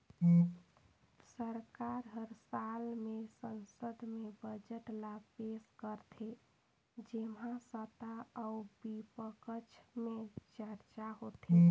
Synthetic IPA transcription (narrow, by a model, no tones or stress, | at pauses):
səɾkaɾɦəɾsalmesənsəd̪ʱmebəd͡ʒəʈlabpeskəɾt̪ʰe | d͡ʒemãsət̪aəubipəkət͡ʃʰmet͡ʃəɾt͡ʃaɦot̪e